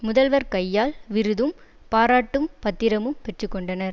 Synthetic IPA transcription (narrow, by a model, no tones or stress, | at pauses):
mʊðɐlʋɐɾkɐjːaːlʋɪɾɯðɯm | paːɾaːʈːɯmpɐt̪ːɪɾɐmɯmpɛʈrɯkːɔɳɖɐnɐɾ